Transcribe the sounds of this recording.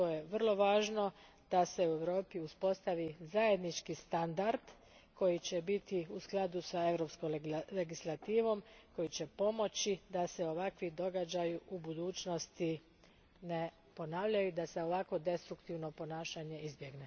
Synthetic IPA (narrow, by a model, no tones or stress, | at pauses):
t̪ojeʋr̩lˠo̞ʋaːʒno̞ | d̪̥ase̞ue̞ʋɾo̞ːpiuspo̞st̪aʋizaje̞d̪nit͡ʃkist̪and̪aɾd̪ | ko̞jit͡ɕe̞bit̪iusklˠad̪usae̞ʋɾo̞pskole̞ɡislˠat̪iːʋo̞mko̞jit͡ɕe̞po̞mo̞t͡ɕid̪ase̞o̞ʋakʋid̪o̞ɡad͡ʑajuʔubud̪uːt͡ʃno̞st̪i | ne̞ | po̞naːʋʎajud̪ase̞o̞ʋako̞d̪e̞st̪ɾukt̪iʋno̞po̞naːʃaɲe̞izbje̞ɡne̞